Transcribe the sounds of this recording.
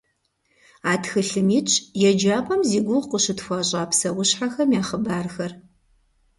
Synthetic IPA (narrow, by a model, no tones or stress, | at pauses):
aːtʰxɨɬɨmiːt͡ʃʰʼjɛd͡ʒaːpʼɐmziːɡʷʊʁqəʃɨtxʷɐːɕʼaːpsɐwʊɕħaxɐmjaːχəbaːrxɐr